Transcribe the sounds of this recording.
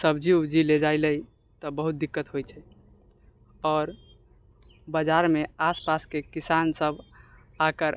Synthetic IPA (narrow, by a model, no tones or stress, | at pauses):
səbd͡ʒid͡ʒiled͡ʒaɪləj | t̪ɔbəɦut̪̚d̪ikːət̪ɦojt͡ʃʰɛ | ɔːɾ | bəd͡ʒaɾmeaspaskekisansəb | akəɾ